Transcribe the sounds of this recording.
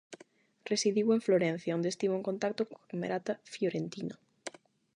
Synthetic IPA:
resiðiweɱfloɾẽn̟θjaond̪est̪iβoẽŋkont̪ak̚t̪okoakamḛɾat̪afjoɾent̪ino

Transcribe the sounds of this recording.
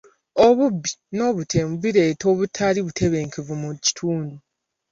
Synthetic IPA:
o̞βubːino̞ːβutʰeːmuβiɾe̞ːto̞ːβutʰːaliβutʰe̞βe̞ːŋkevumuci̥tʰuːndu

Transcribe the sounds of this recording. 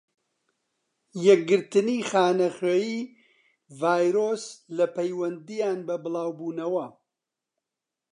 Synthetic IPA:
jɛk̚ɡɨɾt̪ɨniːχaːnɐχeːjiː | vaːjɾoːslɐpɐjwɐnd̪ijaːnbɐbɨlˠaːwbuːnɐwɐ

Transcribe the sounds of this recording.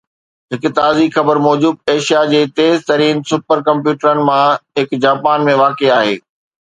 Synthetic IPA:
ɦɪkt̪aːzixɐbəɾmɔːd͡ʑuːb̪̚eːʃijad͡ʑeːt̪eːzt̪ɐɾiːnsʊpəɾkɐ̃mpjuːʈəɾənɪ̆mãɦɪkd͡ʑaːpaːnmẽʋaːkeaːɦḛː

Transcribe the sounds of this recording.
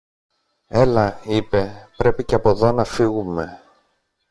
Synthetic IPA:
e̞lɐipe̞pɾe̞piceɐpo̞ðo̞nɐfiɣume̞

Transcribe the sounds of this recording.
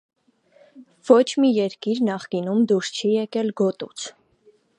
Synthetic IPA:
vɔt͡ʃʰmijɛɾkiɾnɑχkinumd̪uɾst͡ʃʰijɛkɛlɡɔt̪ṵt͡sʰ

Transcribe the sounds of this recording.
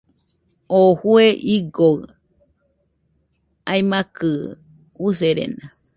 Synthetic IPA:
ohueʔiɡo | aimakɨ | useɾḛna

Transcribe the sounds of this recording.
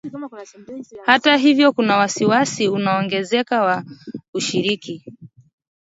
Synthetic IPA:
hataɦivjɔkunawasiwasiunaɔŋɡɛzɛkawauʃiɾiki

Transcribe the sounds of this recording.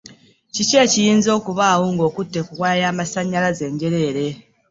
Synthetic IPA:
cice̞ːcijiːnzo̞ːkuβaːwoŋɡo̞ːkutːe̞kuɣwaːjaːmasaɲːalaze̞ːɲɟe̞ɾe̞ːɾe̞

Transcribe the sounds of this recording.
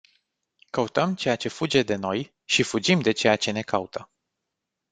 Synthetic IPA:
kəut̪əmt͡ʃe̞jat͡ʃe̞fud͡ʒe̞d̪e̞no̞j | ʃifud͡ʒimd̪e̞t͡ʃe̞jat͡ʃe̞ne̞kaut̪ʰə

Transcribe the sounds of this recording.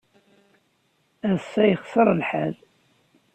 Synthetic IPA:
æðsːæjəχsəɾˤəlħæ̰l

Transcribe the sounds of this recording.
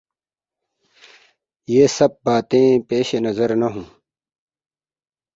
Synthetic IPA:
jeːsɐb̚baːt̪ẽːpeːɕenɐzɐɾnɐɦũː

